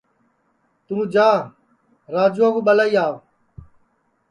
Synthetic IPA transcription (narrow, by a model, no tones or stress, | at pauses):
t̪ũːd͡ʒaː | ɾaːd͡ʒuːãːkũːɓəlaːiːaːʋ